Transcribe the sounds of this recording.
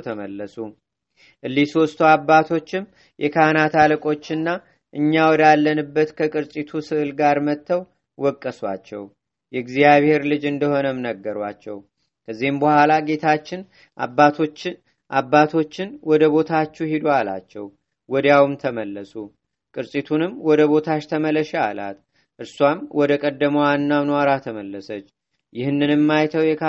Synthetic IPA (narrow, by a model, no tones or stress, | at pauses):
t̪ʰəməlːəsu | ʔɨlːisost̪ʰuabːat̪ʰo̞t͡ʃːɪm | jʔɛkʰanat̪ʰaləkʼo̞t͡ʃːɨnːa | ʔɨɲːawɔd̪alːənɨbːət̪kʰəkʼɨɾsʼit̪ʰusɨʔlɡaɾmət̪ʰːəw | wɔkʼːəswa̰t͡ʃːɛ̰w | jɛɡzijaβhe̞ɾlɨd͡ʒɨnd̪əho̞nəmnəɡːəɾa̰t͡ʃːɛ̰w | kʰəzːihɨmbəhalaɡe̞t̪ʰat͡ʃːɪn | ʔa̰bːat̪ʰo̞t͡ʃː | ʔabːat̪ʰo̞t͡ʃːɪnwɔd̪əbo̞t̪ʰat͡ʃːuhid̪wala̰t͡ʃːɛw | wɔd̪jawmt̪ʰəməlːəsu | kʼɨɾsʼit̪ʰunɨmwɔd̪əβo̞t̪ʰaʃt̪ʰəmələʃɛala̰t̪ | ʔɨɾswamwɔd̪əkʼəd̪ːəməwanːamnwaɾat̪ʰəməlːəsət͡ʃː | jɪhnːɨnɨmːajt̪ʰəwjɛk